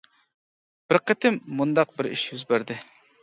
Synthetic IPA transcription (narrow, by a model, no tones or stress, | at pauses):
b̥ɪɾqʰət̪ʰɪmːund̪ɑq̚bɪɾḭʃjyzbæɾd̪ɪ